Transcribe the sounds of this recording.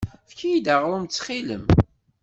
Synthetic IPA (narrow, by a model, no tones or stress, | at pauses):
fkijid̪əʁɾˤʊmt͡sːχiləm